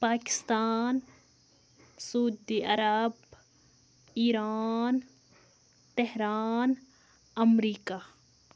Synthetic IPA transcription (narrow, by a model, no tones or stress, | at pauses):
paːkɪ̥st̪aːn | suːd̪iɐɾab | iːɾaːn | t̪eɦɾaːn | ɐmɾiːkaː